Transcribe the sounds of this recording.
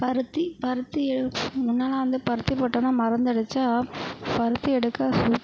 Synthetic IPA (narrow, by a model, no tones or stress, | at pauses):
pɐɾɯt̪ːipɐɾɯt̪ːiɛmʊnːaːlɐʋɐnd̪ɯpɐɾɯt̪ːipoːʈːɐ̃ːnaːmɐɾɐnd̪ɐɽɯt͡ʃːaːpɐɾɯt̪ːɯɛɽɯkːaːsuː